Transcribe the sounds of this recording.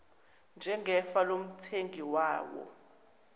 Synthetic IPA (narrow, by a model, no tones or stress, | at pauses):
nd͡ʒʱɛŋɡɛfalom̩tʰeŋiwaːwɔ̰